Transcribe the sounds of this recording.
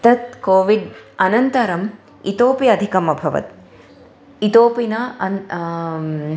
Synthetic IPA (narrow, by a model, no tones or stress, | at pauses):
t̪ɐt̪̚koːʋiɖɐnɐnt̪ɐɾɐm | ḭt̪oːpijɐɐd̪ʱikɐmɐbʱɐʋɐ̰t̪ | it̪oːpinɐɐ